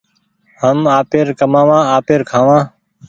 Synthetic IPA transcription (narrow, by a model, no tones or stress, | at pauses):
ɦəmaːpeːɾkəmãːʋãːaːpeːɾkʰãːʋãː